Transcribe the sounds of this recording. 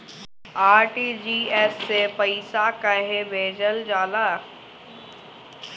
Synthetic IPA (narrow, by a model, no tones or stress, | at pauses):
aːɾʈid͡ʑiːeːsːepɐɪsakɐɦebeːd͡ʑəld͡ʑaːla